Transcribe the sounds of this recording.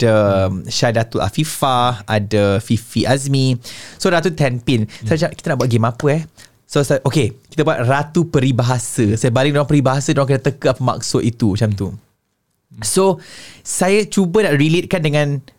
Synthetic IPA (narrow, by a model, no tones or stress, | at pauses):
d̥əʃadat̪uʔa̰fifaadəfifiʔazmisoɾat̪ut̪ɛmpɪnsajat͡ʃaki̥t̪anaʔbuat̪̚ɡemapəɛ | sosaʔokekit̪abuat̪̚rat̪upəɾibaɦasəsajəbalɪŋdaɾaŋpəɾibaɦasədaaŋkadat̪əkəapəma̰k̚sʊʔ̪it̪umat͡ʃamt̪u | sosajat͡ʃubənaʔrilet̪̚kandəŋãn